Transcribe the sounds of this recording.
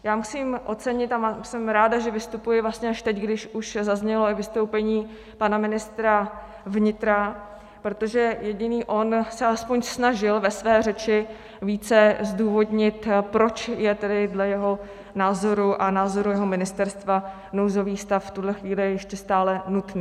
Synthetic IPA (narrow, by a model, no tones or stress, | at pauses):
jaːmusiːmʔo̞t͡sɛɲɪt̪amasɛmɾaːdaʒɛvɪst̪upujɪvlast̪ɲɛaʃt̪ɛcɡdɪʃʔuʃzazɲɛlo̞ɪvɪst̪o̞wpɛɲiː | panamɪnɪst̪ɾa | vɲɪt̪ɾa | pɾo̞t̪o̞ʒɛjɛɟɪniːʔo̞nsɛʔalɛspo̞ɲsnaʒɪlvɛsvɛːr̝ɛt͡ʃɪ | viːt͡sɛzduːvo̞dɲɪt̪pɾo̞t͡ʃjɛt̪ɛdɪdlɛjɛɦo̞ | naːzo̞ɾuʔanaːzo̞ɾujɛɦomɪnɪst̪ɛɾst̪va | nowzo̞viːst̪afft̪udlɛxviːlɪjɛjɛʃcɛst̪aːlɛnut̪niː